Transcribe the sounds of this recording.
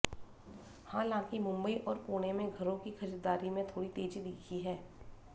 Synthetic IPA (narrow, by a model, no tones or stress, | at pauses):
hãːlãːkimʊ̃mbəiʔɔːɾpoːɽ̃emẽɡʱɐɾõkixɐd͡ʒəd̪aːɾimẽt̪ʰoːɽit̪eːd͡ʒid̪iːkʰiɦɛː